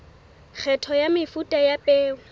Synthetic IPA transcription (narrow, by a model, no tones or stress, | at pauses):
k͡xʰɛtʰɔjamɪfutʼajapʼeːʊ